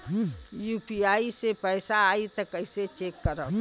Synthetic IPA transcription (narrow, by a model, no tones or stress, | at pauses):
jupiaːisepəːsaaːit̪əkəɪset͡ʃeːkːəɾə